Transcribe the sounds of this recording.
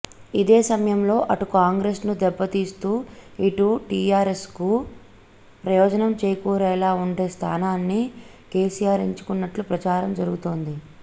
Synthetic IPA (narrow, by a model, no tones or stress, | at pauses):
id̪eːsɐmɐjɐmlo̞ːʔɐʈukaːŋɡɾesnud̪ɛbːɐt̪iːst̪uːiʈuʈiːaːɾe̞sku | pɾɐjɔːd͡ʒɐnɐmt͡ʃeːjkuːɾɛːlaːuɳɖe̞ːst̪ʰa̰ːnaːnːi | ke̞ːsijaːɾiɲt͡ʃu̥kunːɐʈlupɾɐt͡ʃaːɾɐmd͡ʒɐɾuɡut̪oːnd̪i